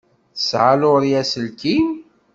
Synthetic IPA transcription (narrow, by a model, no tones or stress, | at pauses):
θə̥sʕalʊɾjæsəlkim